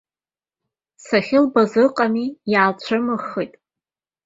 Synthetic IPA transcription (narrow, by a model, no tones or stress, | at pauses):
saχʲɪlbazɨqʼamijaːlt͡ɕʷʰamɨχːijtʼ